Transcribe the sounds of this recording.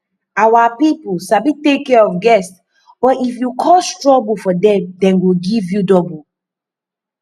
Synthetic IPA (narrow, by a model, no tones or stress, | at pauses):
awapipusabitekːɛɔfɡɛst | ɔʔifjukʰɔstɹɔbufɔdɛ̃mdɛ̃nɡoɡivjudɔbu